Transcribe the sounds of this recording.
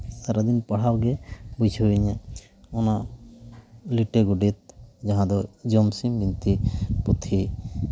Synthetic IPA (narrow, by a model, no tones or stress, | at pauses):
saɾad̪inpaɽ̤awɡɛbujt͡ʃʰɲɛ | ɔna | liʈeɡuɖit̪̚d͡ʒaɦãd̪ɔd͡ʒɔmsimbint̪iput̪ʰi